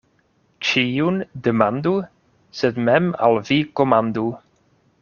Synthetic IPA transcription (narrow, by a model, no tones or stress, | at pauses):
t͡ʃʰijundəmandu | sɛdmɛma̰lˠvikɔmand̪u